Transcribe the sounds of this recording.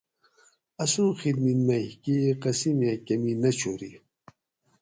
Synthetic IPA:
ɐsũːxid̪minmɐhkiqɐsimjakɐminɐt͡ɕʰoɾi

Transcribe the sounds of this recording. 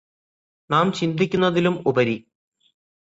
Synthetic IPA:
naːmt͡ɕind̪ikʲːunːɐðilumubɐɾi

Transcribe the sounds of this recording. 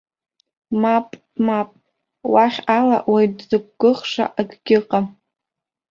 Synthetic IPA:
mapʼ | mapʼ | waχʲala̰ʔwajdzɨk̚ʷʼɡ̥ɨχʂa̰ʔaɡɡʲɪqʼa

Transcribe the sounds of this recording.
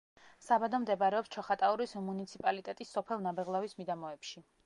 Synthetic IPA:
sabad̪ɔmd̪ɛbaɾɛɔpst͡ʃʰɔχat̪ʼauɾismunit̪sʰipʼalit̪ʼɛt̪ʼisːɔpʰɛlˠnabɛʁlˠavismid̪amɔɛpʃi

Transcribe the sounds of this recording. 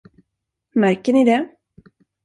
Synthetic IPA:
mæɾkəɳɪd̪ɛ

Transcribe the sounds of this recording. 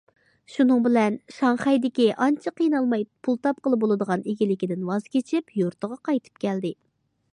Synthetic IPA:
ʃunɨŋbɪlɛnʃɑŋχɛjd̪ɪkʲiʔɑnt͡ʃʰɑqijnɑlˠmɑjpʰulˠt̪ʰɑp̚qəlˠɨbolˠɨd̪əʁɑneɡʲilɪkʲid̪ɪnwɑz̥kʲet͡ʃʰɪpjoɾt̪ʰəʁɑqɑjt̪ʰɨ̥p̚kʲɛld̪ɪ

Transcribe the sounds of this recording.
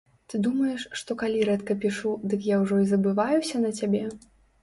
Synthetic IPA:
t̪ɨd̪umɐjɛʂːt̪ɔkalʲiɾɛt̪kɐpʲiʂud̪ɨkjawʐɔizɐbɨvajusʲɐnɐt͡sʲabʲɛ

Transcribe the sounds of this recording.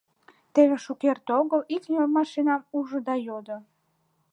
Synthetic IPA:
t̪eβeʃukert̪oɣəliknemɑʃinɑmuʒəd̪ɑjod̪o

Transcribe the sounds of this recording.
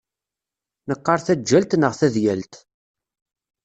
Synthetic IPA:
nəqːɑɾˤθæd͡ʒːælt̪nəʁθæðjælt̪

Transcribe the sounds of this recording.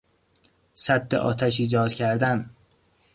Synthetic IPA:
sæd̪ːḛʔɒ̰ːt̪ʰæʃiːd͡ʒɒːd̪̥cʲʰæɾd̪æn

